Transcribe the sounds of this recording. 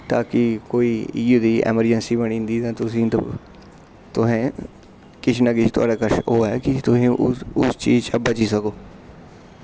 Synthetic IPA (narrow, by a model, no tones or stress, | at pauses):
t̪aːkɪkoːiːiːjuːd̪iːɛ̰ːməɾd͡ʒənsiːbəɳĩːnd̪iːt̪ãːt̪ʊsĩːt̪ | t̪ʊɦɛ̃ː | kɪt͡ʃnaːɡit͡ʃt̪ʊa̰ːɖaːkəɾʃoːɛːkɪt̪ʊsĩːʊst͡ʃiːzt͡ʃəbət͡ʃiːsəkoː